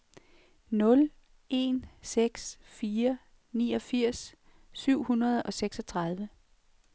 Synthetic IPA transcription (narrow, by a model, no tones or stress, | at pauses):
nɔ̽l | e̝̰nseɡ̥sfiːɐ | niːɒ̽fiɐ̰sː | yʊ̰hunɐð̞ˠɒ̽seɡ̥sɒ̽t͡sʰʁɑ̈ð̞ˠʋə